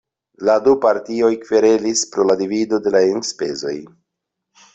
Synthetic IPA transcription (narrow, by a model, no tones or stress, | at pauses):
ladupaɾtio̞jkveɾe̞lispɾoladivido̞de̞laenspe̞̰zo̞̰j